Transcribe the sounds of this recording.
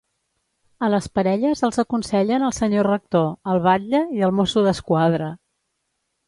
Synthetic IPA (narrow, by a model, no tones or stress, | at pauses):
ələspəɾɛʎəzəlˠzəkunsɛʎənəlˠsəɲorək̚t̪oəlˠβ̞aʎːəiəlˠmosuðəskwaðɾə